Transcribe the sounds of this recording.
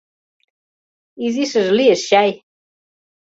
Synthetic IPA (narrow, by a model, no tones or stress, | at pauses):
izisəzliəsɕaj